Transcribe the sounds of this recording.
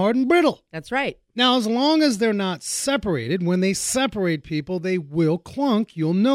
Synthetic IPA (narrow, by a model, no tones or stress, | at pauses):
ɑɹdn̩bɹɪɾl̩ˠðætsɹaɪt̚naʊəzlɔ̃ŋɨzðə˞nətsɛpə˞eɪɾɨd̚wə̃nðeɪsɛpə˞eɪt̚pʰipl̩ˠðeɪwɪlˠkʰl̥ʌ̃ŋkʰjulˠno